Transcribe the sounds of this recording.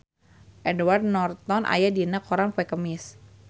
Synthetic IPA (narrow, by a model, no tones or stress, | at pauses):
ʔɛduward̚nɔrt̪ɔnʔa̰jadiənakɔɾaŋpɛkəmɪs